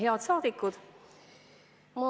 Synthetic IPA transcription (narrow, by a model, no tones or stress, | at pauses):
ɦeɑt̪sɑːd̪̥ikːud̪̥ | mu